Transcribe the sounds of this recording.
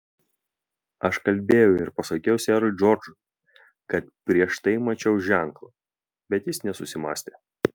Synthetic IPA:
ɐʃkɐlʲbʲeːjʊɪɾpɐsɐkʲɛjʊsʲæːɾʊɪd͡ʒɔɾd͡ʒʊ | kɐt̪pʲɾʲiɛʃt̪ɐɪmɐt͡ʃʲɛʊʒʲæŋklˠɐ | bʲɛt̪jɪsnʲɛsʊsʲɪmɑ̰ːsʲt̪ʲeː

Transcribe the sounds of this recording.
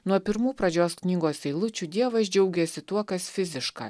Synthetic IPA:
nuɔpʲɪɾmuːpɾɐd͡ʒʲoːsknʲiːɡoːsɛɪlˠʊt͡ʃʲud̪ʲiɛʋɐsd͡ʒʲɛʊɡʲɛsʲɪt̪uɔkɐsfʲɪzʲɪʃkɑ̰ː

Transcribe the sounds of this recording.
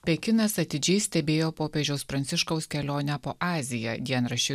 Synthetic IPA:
pʲɛkʲɪnɐsɐt̪ʲɪd͡ʒʲɛɪsʲt̪ʲɛbʲeːjoːpoːpʲed͡ʒʲɛʊspɾɐnʲsʲɪʃkɒʊskʲɛlʲoːnʲɛpoːʔɑːzʲɪjɛd̪ʲiɛnɾɐʃʲɪ

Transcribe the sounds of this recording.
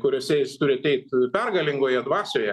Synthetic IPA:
kʊɾʲoːsʲɛjɪst̪ʊɾʲɪɐt̪ʲɛɪt̪pʲɛrɡɐlʲɪŋɡoːjɛd̪ʋɑːsʲoːjɛ

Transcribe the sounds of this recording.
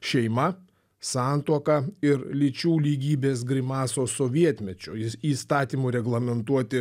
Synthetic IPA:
ʃʲɛɪmɐ | sɑnt̪uɔkɐɪɾlʲɪt͡ʃʲuːlʲiːɡʲiːbʲeːs̬ɡɾʲɪmɑːsoːsoːʋʲiɛt̪ʲmʲɛt͡ʃʲoːiːst̪ɑːt̪ʲiːmuːɾʲɛɡlˠɐmʲɛnt̪uɔt̪ʲɪ

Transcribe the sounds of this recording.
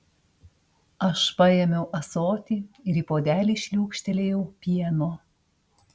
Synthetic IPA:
ɐʃpɐjɛmʲɛʊʔɐsoːt̪ʲiːɪɾiːpoːd̪ʲæːlʲiːʃʲlʲuːkʃʲt̪ʲɛlʲeːjɛʊpʲiɛnoː

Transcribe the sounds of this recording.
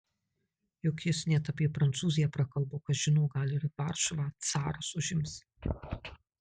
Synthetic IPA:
jɔkʲjɪsnʲɛt̪ɐpʲiɛpɾɐnt̪suːzʲɪjɛpɾɐkɐlˠboːkɐsʒʲɪnɔʊɡɐlʲɪɾʋɑːˑɾʃɔʋɑːt̪sɑːɾosʊʒʲɪms

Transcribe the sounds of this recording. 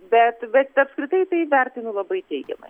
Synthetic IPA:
bʲɛt̪bʲɛt̪ɐpskɾʲɪt̪ɐɪt̪ɐɪʋʲæɾʲt̪ʲɪnʊlˠɐbɐɪt̪ʲɛɪɡʲɛ̰mɐ̰ɪ

